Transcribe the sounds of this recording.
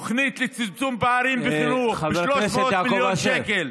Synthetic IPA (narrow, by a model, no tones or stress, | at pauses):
χnit̪let͡simt͡sumbaaɾimbeχinuʃloʃvomiljoʃɛkel